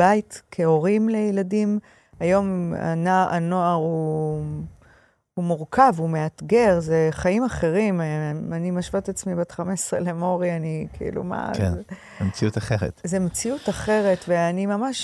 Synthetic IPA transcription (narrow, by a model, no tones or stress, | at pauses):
bajt̪kʰeo̞ʁimle̞jeladim | ajo̞ma̰naʔanoaʁu | umuʁkʰavume̞at̪ɡe̞ʁzeχaimaχe̞ʁimanimaʃvat̪at͡smibat̪χamesʁḛlemo̞ʁianikʰḭlṵma̰kn | emet͡siut̪aχeʁḛt̪zemet͡siutaχeʁe̞tveanimamaʃ